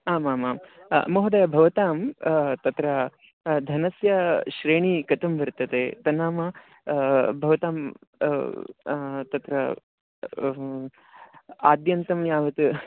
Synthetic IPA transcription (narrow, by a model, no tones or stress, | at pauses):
aːmaːmaːm̰moɦud̪ɐjɐbʱɐʋɐt̪aːmt̪ɐt̪ɾɐ | d̪ʱɐnɐsjɐʃɾeːɳ̃ikɐt̪ʰɐmʋɐɾt̪ɐt̪eːt̪ɐnaːmɐ | bʱɐʋɐt̪aːm | t̪ɐt̪ɾɐ | a̰ːd̪jɐnt̪ɐmjaːʋɐt̪ɨ